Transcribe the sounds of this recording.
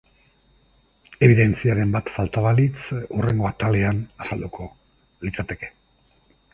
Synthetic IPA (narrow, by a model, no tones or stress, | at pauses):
e̞βiðe̞nt͡siaɾe̞mbat̪falt̪aβalit͡sure̞ŋɡo̞at̪ale̞anasald̪ukʰo̞ | lit͡sat̪e̞ke̞̥